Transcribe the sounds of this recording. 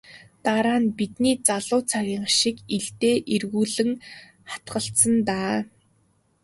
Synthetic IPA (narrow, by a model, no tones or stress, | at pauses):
t̪aɾaːnpit̪niːt͡saɮʊːt͡sʰaɣʲiːɴʃikiɮt̪eːʔirɣuːɮɘ̆ŋ | χḁt̪ɢə̆ɬt̪sə̆nt̪aː